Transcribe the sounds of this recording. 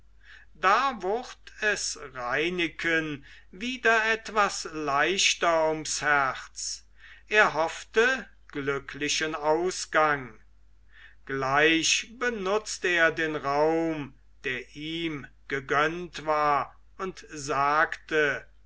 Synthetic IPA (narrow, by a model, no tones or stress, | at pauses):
d̥aːvʊʁtʰɛsʁaɪnɪkʰən | viːdɐɛtv̥aslaɪʃtɐʊmshæʁt͡s | ʔeːɐɦɔftə | ɡ̥lʏkʰlɪʃənaʊsɡ̥aŋ | ɡ̥laɪʃbənʊt͡stəeːɐdeːnʁaʊm | d̥eːɐʔiːm | ɡ̥əɡœntv̥aːɐ | ʊntzaːktə